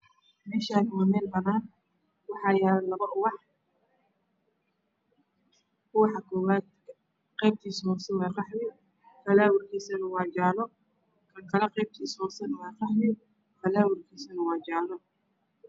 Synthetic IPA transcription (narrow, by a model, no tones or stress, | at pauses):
mɛːʃaːnɪmɐmɛːlbɐnaːn | wɑħɑːjaːɾɐlɐβɐʔʊwɑħ | ʊwɑħɑkʰɔːwaːd̪̚ | qɛjb̚t̪ʰiːshɔsɐwaːqɑħmɪ | fɐlaːwʊrkʰiːsɐnɐwɑːt͡ʃaːlɔ | kʰɐŋkʰɐlɛqɛjb̚t̪ʰiːshɔsɐnwɑːqɑħmɪ | fɐlaːwʊrkʰiːsɐnɐwɑːd͡ʒaːlɔ